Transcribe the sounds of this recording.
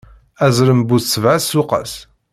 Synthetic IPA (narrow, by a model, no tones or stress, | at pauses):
æzɾəmbuθsəvʕasːʊqə̰s